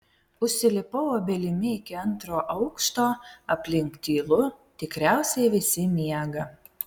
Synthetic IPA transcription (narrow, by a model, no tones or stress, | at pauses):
ʊʃʲsʲɪlʲɪpɐʊoːbʲɛlʲɪmʲɪɪkʲɪɐnˑt̪ɾoːʔɐʊkʃt̪oːɐpʲlʲɪŋkt̪ʲiːlˠʊ | t̪ʲɪkɾʲæˑʊsʲɛɪʋʲɪsʲɪmʲiɛɡɐ